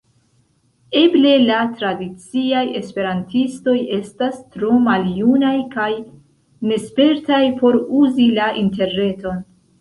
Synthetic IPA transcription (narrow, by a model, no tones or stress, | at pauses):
e̞ble̞latɾadit͡siaje̞spe̞ɾantisto̞je̞stastɾo̞maljunajkaj | ne̞spe̞ɾtajpo̞ɾuzilaʔinte̞ɾne̞to̞n